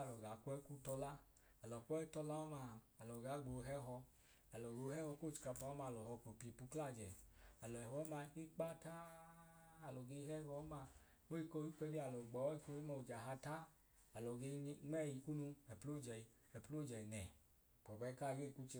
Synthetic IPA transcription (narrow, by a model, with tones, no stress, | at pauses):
lɔ˨ɡa˨kʷɛ˦ku˦tɔ˧la˦ | a˨lɔ˨kʷɔ˦i˦tɔ˧la˦ɔ˦ma˧ | a˨lɔ˨ɡa˨˦ɡ͡bo˧ɦɛ˦ɦɔ˧ | a˨lɔ˨ɡo˧hɛ˦hɔ˧˦ko˦˨t͡ʃi̥˧ka˧pa˨˦ɔ˦ma˧˨lɔ˨hɔ˧ko˨pi˧˨pu˧kla˦˨d͡ʒɛ˨a˨lɔ˨ɛ˨wɔ˨˦ma˧i˦k͡pa˦ta˦ | a˨lɔ˨ɡe˧˦ɦɛ˦ɡɔ˨˦ma˧ | mo˦i˧ko˧˦i˦kʷɛ˧li˦a˨lɔ˨ɡ͡bɔ˨˦i˦ko˧i˦ma˧u˨d͡ʒa˨ɦa˧ta˦ | a˨lɔ˨ɡe˧ŋ͡mɛ˦˨ji˧ku˦nu˧ɛ˨po˦˨d͡ʒɛ˨ | ɛ˨plo˦˨d͡ʒɛ˨i˨nɛ̰˨ | k͡pɔ˨bɛ˧˦ka˦˨˧ɡe˦˨ku˦t͡ʃe˧